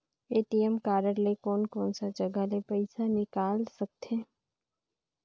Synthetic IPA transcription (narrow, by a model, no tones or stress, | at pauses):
eːʈijəmkaːɾəɽlekɔːnkɔːnsad͡ʒɐɡalepɐɪsanɪkaːlsək̚t̪eː